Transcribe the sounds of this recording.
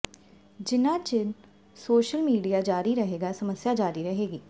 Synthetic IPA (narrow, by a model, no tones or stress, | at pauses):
d͡ʒɪnãːt͡ʃɪn | soːʃəlmiːɖijaːd͡ʒaːɾiɾəɦeːɡaːsəməsjaːd͡ʒaːɾiɾəɦeːɡiː